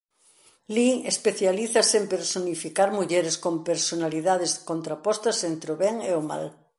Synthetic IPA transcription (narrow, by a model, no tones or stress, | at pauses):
liespeθjaliθasempeɾsonifikaɾmuʎeɾeskõmpeɾsonaliðaðeskõnt̪ɾapost̪asent̪ɾeoβeŋeoma̰l